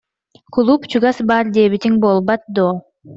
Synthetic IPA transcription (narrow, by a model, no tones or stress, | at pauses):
kʰulˠupt͡ʃuɡasbaɾd̪eβit̪iŋbolˠbat̪̚d̪o